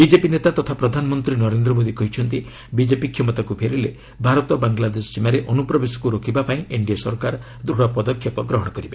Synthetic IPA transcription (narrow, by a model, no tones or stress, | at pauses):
bid͡ʒepinet̪at̪ɔt̪ʰapɾɔd̪ʱanɔmɔnt̪ɾinɔɾend̪ɾɔmod̪ikɔɦit͡ʃʰɔnt̪i | bid͡ʒepikʰjɔmɔt̪akupʰeɾile | bʱaɾɔt̪ɔbaŋɡlad̪esɔ̥simaɾeʔɔnupɾɔbesɔ̥kuɾokʰibapaĩeɳɖijasɔɾkaɾɔ | d̪ɾuɽɔpɔd̪ɔkʰjɔpɔɡɾɔɦɔɽɔkɔɾibe